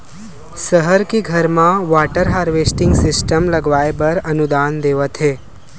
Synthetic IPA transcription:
səɦəɾkiɡʱəɾmãʋaʈəɾɦaːɾʋesʈɪ̃ŋɡsɪsʈəmləɡʋaːebəɾənud̪aːnd̪eːʋət̪ɦe

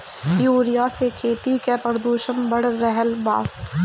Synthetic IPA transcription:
joːɾɪjasekʰeːt̪ikepəɾd̪uːʃəmbəɽ̤ɾɛɦəlba̰ː

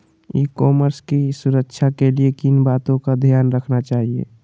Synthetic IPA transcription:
ikɔːməɾskisuɾəkt͡ʃʰakeliekinbaːt̪õkad̪ʱijaːnɾəkʰnat͡ʃaːɦiḛ

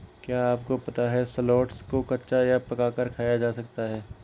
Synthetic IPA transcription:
kjaːaːp̚kopɐt̪aɦɛsɐloːʈskokɐtːʃajapɐkaːkəɾkʰaːjad͡ʒaːsɐk̚t̪aɦɛː

